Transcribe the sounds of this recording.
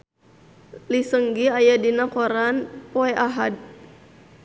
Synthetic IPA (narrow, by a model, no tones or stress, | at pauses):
lisəŋɡiajadinakɔɾanpɔɛʔaɦad̚